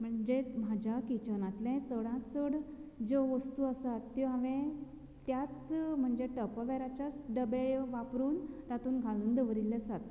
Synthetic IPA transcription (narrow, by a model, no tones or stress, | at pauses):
m̤əɳd͡ʑem̤ad͡ʑakit͡ɕənat̪lɛ̃t͡səɽãt͡səɽd͡zoʋəst̪uːəsat̪ːjiɦaʋẽ | t̪jat͡sm̤əɳd͡zeʈəpəʋɛɾat͡ɕjat͡sɖəbejʋapɾuːnt̪at̪uːnɡʱaluːnd̪əʋəɾilːesat̪